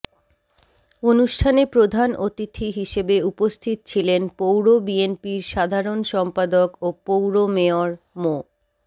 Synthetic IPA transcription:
onuʃʈʰanepɾod̪ʱanot̪it̪ʰiɦiʃebeupost̪ʰit̪t͡ɕʰilenpowɾobienpiɾʃad̪ʱaɾonʃɔmpad̪okopowɾomeoɾ | mo

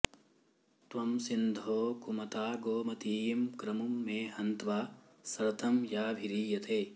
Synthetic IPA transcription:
t̪ʋɐmsind̪ʱoːkumɐt̪aːɡoːmɐt̪iːjmkɾɐmumːeːhɐnt̪ʋaː | sɐɾt̪ʰɐmjaːbʱiɾiːjɐt̪ʰeː

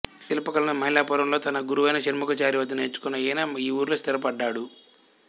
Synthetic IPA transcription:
t̪ilɐpɐkɐlɐnmɐjlaːpuɾɐmlo̞ːt̪ɐnɐɡuɾuʋɐjnɐʃɐnmɐkɐt͡ʃaːɾiʋɐt̪ːineːt͡ʃːu̥kunːɐjenaiːuːɾlost̪iɾɐpɐɖːaːɽu

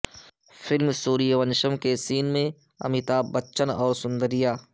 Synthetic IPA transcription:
fʰɪlmsuːɾijeʋənʃəmkesiːnmẽ | ɐ̰mit̪aːbətːʃənɔːɾsʊ̃nd̪əɾijaː

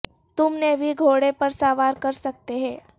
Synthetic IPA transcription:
t̪ʊmnebʱiɡʱoːɽepɐɾsaːʋaːɾkɐɾsɐk̚t̪eɦɛ̃ː

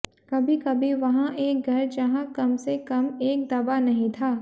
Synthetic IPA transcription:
kɐbʱikɐbʱiʋɐɦãʔeːk̚ɡʱɐɾd͡ʒɐɦãkɐmsekɐmeːk̚d̪ɐbanɐɦĩt̪ʰaː

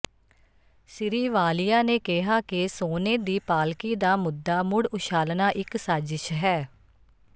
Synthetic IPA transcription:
sɪɾiːʋaːlɪjaːneːkɪɦaːkɪsoːneːd̪iːpaːlkiːd̪aːmʊd̪ːaːmʊɽʊʃaːlnaːʔɪksaːd͡ʒɪʃɦɛː

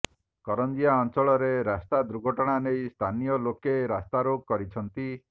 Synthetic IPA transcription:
kɔɾɔnd͡ʒijaɔnt͡ʃɔɭɔɾeɾast̪ad̪ɾuɡʱɔʈɔɽ̃anejst̪ʰanijɔlokeɾast̪aɾoɡ̚kːɔɾit͡ʃʰɔnt̪i

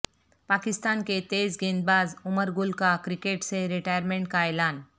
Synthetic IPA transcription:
pakɪst̪aːnket̪ezɡẽnd̪̚baːzuməɾɡʊlkakɾikeʈseɾiʈajəɾmẽɳʈkaelaːn

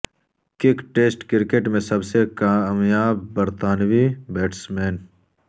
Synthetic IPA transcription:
kɪkʈeːsʈkɪɾkeːʈmẽsɐbsekamjaːbːɐɾt̪aːnwibeːʈsmeːn

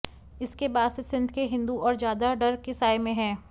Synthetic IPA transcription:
ɪskebaːd̪sesɪ̃nd̪ʱkeɦɪ̃nd̪uɔːɾd͡ʒjaːd̪aɖɐɾkɪsaːemẽɦɛ̃ː

